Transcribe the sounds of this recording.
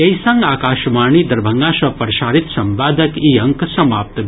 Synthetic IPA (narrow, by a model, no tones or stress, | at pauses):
ɐjsɐŋɡaːkaːʃmaːɳiːd̪ɐɾbʱɐŋɡaːʃɐpɐɾɐʃaːɾit̪sɐmʋaːd̪ɐkiːɐŋksɐmaːp̚t̪ɐ